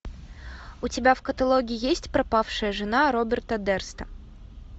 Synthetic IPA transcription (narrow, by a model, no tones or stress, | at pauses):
ʊtʲɪbʲafkət̪ɐlˠoɡʲɪɪjesʲtʲpɾɐpafʂɨjəʐɨnaɾobʲɪrt̪ɐd̪ɛrst̪ə